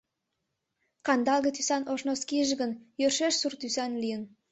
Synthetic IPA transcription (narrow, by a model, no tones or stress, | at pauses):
kɑnd̪ɑlˠɣət̪ysænʔoʃnoskiəʒɡənjørʃeʃsurt̪ysænlijən